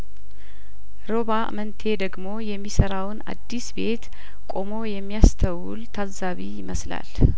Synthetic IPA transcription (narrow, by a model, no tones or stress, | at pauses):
ɾo̞βamənt̪ʰe̞d̪əɡmo̞jɛmːisəɾawna̰d̪ːisbe̞t̪ | kʼo̞mo̞jɛmːijast̪ʰəwṵlt̪ʰalzaβijɪməsla̰l